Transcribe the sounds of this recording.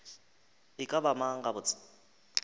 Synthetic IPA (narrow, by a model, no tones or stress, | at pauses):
ɪkʼabamaŋ̩ɡabʊt͡sʼ